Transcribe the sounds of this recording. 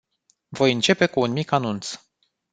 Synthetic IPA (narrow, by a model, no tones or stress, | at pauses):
vo̞jɨnt͡ʃe̞pe̞kuːnmikanunt̪s